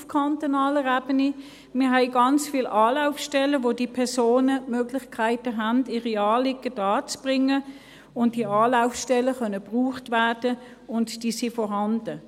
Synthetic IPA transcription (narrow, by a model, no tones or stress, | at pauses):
fkʰɑntonɑːləʁæːb̥əni | mɪːɦɛɪɡɑnt͡sfiːlʔɑːlaʊfʃtɛləʋoːdiːpʰɛɐsoːnəmøːɡ̥lɪχkʰæɪtəɦændiːʁiɑːlɪɡəd̥ɑːt͡sb̥ʁɪŋə | ʊnt̚d̥iɑːlaʊfʃtɛləχœnəb̥ʁuːχtvæɐd̥ə | ʊntd̥iːsifɔɦɑnd̥ə